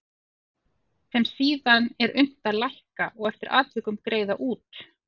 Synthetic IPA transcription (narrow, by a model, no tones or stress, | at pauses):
sɛmsiːðanɛɾʏm̥t̪alajhkaʔɔɣɛft̪ɪɾʔa̰ːt̪vɪkʏmkɾeːjðaʔuːt̪